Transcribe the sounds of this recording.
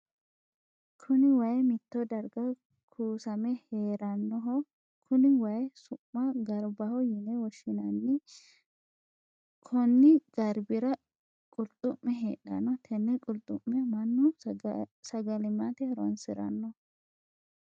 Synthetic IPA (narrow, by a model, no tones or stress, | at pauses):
kʰʊnɪwɐjɛmɪt̪ːɔd̪ɐɾɡɐ | kʰuːsɐmɛheːɾɐnːɔɦɔ | kʰʊnɪwɐjɛsʊmːɐɡɐɾbɐhɔjɪnɛwɔʃːɪnɐnːɪ | kʰɔnːɪɡ̥ɐɾbɪɾɐ | kʼʊlt̪ʼːʊmːɛɦeːᶑɐ̰nːɔt̪ʰɛnːɛkʼʊlt̪ʼːʊmːɛɐmɐnːʊ | sɐɡɐlɪmat̪ɛɛɾɔ̰nsɪɾɐ̰nːɔ